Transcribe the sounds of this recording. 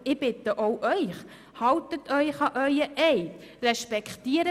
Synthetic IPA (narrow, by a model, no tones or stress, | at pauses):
ɪb̥ɪt̪əʔoʊʔœʏχ | hɑwtətʰœʏχɑʔœʏəʔɛɪt | rɛʃpɛkχt̪iːəɾə